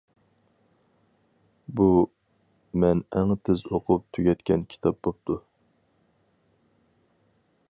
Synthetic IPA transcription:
bu | mɛnɛŋt̪ʰɪzoqʰʊp̚t̪ʰyɡʲɛt̪kʲʰɛnkʲʰi̥t̪ʰɑp̚bop̚t̪ʰu

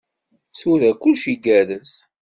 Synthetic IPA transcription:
θʊɾækʷːʊlʃiɡæɾəs

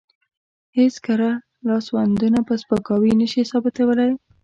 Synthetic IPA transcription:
heskəɾa | lɑswand̪unapəspəkɑwinəʃisɑbɪt̪awəlaj

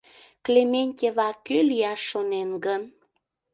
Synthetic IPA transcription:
klemʲenʲtʲeβɑkːøliɑʃːonenɡən

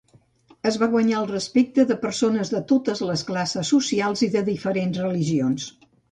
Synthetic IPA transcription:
əzβaɣwəɲaəlˠrəspek̚t̪əðəpəɾsonəzðət̪ot̪əzləsklasəsːusialˠziðəðifəɾenzrəliʒions

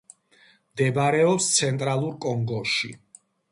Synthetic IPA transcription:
md̪ɛbaɾɛɔpst̪sʰɛnt̪ʼɾalˠuɾkʼɔŋɡɔʃḭ

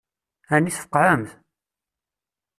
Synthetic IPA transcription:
æniθfə̥qːʕəmθ

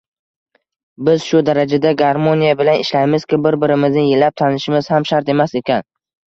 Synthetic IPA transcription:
bɪz̥ʃʊd̪aɾad͡ʒad̪aɡaɾmonijabɪlanɪʃlajmɪz̥kʲɪbɪɾbɪɾɪmɪznɪjɪlːap̚t̪ʰanɪʃɪmɪz̥hamʃaɾt̪e̞mase̞kʲan

